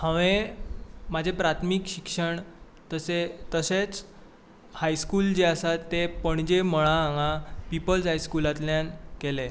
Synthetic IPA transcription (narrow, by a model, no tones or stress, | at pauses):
hə̃ʋẽ | mad͡ʑʱepɾat̪ʰmikɕikʂəɳ | t̪əset̪əset͡s | hajskuːld͡ʑeasat̪ːepəɳd͡ʑeməɭ̃aɦãŋãpipəld͡zɦajskulat̪ljãnkele